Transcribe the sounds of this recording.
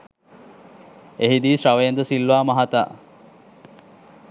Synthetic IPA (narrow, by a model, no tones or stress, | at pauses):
eɦid̪iːsɾaʋəjend̪əsilʋaːmaɦat̪a̰ː